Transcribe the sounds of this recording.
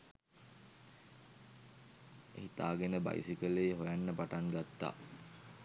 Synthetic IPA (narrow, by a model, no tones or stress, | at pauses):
ḛɦit̪a̰ːɡenəba̰jsikəleeɦojanːəpaʈaŋɡat̪ːa̰ː